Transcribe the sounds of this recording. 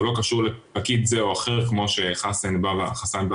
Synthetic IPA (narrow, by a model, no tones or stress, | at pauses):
lo̞kaʃuʁlepakit̪zeoaχeʁkmo̞ʃeχasenbavaχasanba